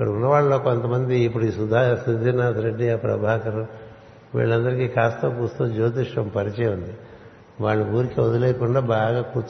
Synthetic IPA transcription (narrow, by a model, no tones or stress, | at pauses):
ikːɐɽɐunːɐʋaːɭːɐloːko̞nt̪ɐmɐnd̪iːpːuɽuiːsud̪ʱaːsind͡ʒ̪inaːt̪ɾeɖːiɐpɾɐ̰bʱaːkɐɾu | ʋḭːɭːɐnd̪ɐɾikikaːst̪oːkuːst̪uːd͡ʒoːd̪iʂʋɐmpɐɾit͡ʃɛːjund̪i | ʋaːɭːuuːɾikiʋod̪ɐleːkuɳɖaːbaːɡaːkuːɾt͡ʃ